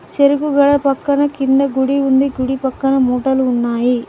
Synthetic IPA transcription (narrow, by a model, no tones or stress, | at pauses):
t͡ʃeɾuɡuɡɐɽɐpɐkːɐnɐkind̪ɐɡuɽiund̪iɡuɽipɐkːɐnɐmuːʈɐluːnːaːji